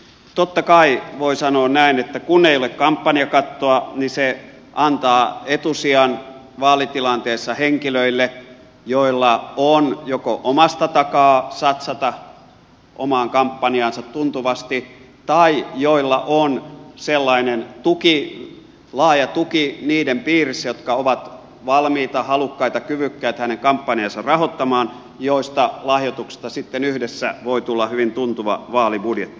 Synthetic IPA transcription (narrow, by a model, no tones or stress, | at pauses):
t̪ot̪ːɑkɑiʋoisɑnoːnnæinet̪ːækunːeijolekkɑmpːɑniɑkɑt̪ːoɑnise | ʔɑnt̪ɑːet̪usiɑn | ʋɑːlit̪ilɑnt̪eːsːɑheŋkiløilːe | joilːɑonjokoʔomɑst̪ɑt̪ɑkɑːsɑt̪sɑt̪ɑ | ʔo̰mɑːŋkɑmpːɑniɑnsɑt̪tunt̪uʋɑst̪i | t̪ɑijoilːɑʔonselːɑinent̪uki | lɑːjɑt̪ukiniːdempiːrisːæjot̪kɑoʋɑt̪ | ʋɑlmiːt̪ɑhɑlukːɑit̪ɑkyʋykːæːt̪hæneŋkɑmpːɑniɑnsɑrɑhot̪ːɑmɑːn | joˑist̪ɑlɑhjot̪uksi̥st̪ɑsit̪ːenyhdesːæ̰ʋoit̪ulːɑhyʋint̪unt̪uʋɑ̰ʋɑːlibudjet̪ːi̥